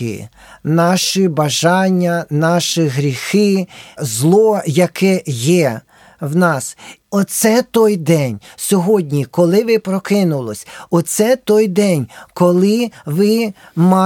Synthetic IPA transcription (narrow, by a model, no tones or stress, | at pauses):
ḭ | nɑʃibɐʒɑnʲːɐnɑʃiɦɾʲixɪzlˠɔjɐkɛjɛ | wnɑsɔt̪sɛt̪ɔjd̪ɛnʲsʲɔɦɔdʲnʲikɔlˠɪʋɪpɾɔkɪnʊlˠɔsʲɔt̪sɛt̪ɔjd̪ɛnʲkɔlˠɪʋɪ | mɑ